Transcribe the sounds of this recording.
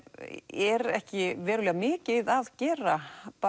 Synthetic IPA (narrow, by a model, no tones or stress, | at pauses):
ɛɾɛhcɪvɛːɾʏlɛːɣamɪːcɪðaðcɛːɾapa